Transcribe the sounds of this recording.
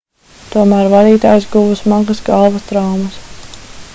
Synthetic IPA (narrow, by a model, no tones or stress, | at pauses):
t̪uɔmæːɾvad̪iːt̪aːjsɡuvusmaɡɐsɡalˠvɐst̪ɾawmɐs